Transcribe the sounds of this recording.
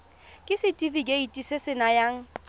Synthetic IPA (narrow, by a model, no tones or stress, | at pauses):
kʼɪsɪtʼivikʼeitʼisɪsɪnajaŋ̩